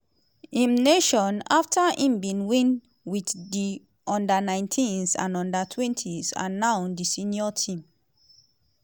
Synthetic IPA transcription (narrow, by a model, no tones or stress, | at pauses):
ĩmneʃɔ̃naftʰaĩmbĩnwĩn | widdi | ʔɔ̃ndənãɪ̃ntʰĩnsã̰nɔ̃ndətʰwɛ̃ntʰiza̰naʊ̃ndisĩnjɔtʰĩm